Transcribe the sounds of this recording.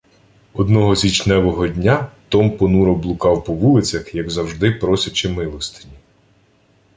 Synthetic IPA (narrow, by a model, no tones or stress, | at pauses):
ɔd̪nɔɦɔzʲit͡ʃnɛʋɔɦɔdʲnʲat̪ɔmpɔnuɾɔblˠʊkɑwpɔʋulˠɪt͡sʲɐxjɐɡzɐwʒd̪ɪpɾɔsʲɐt͡ʃɪmɪlˠɔst̪ɪ̥nʲi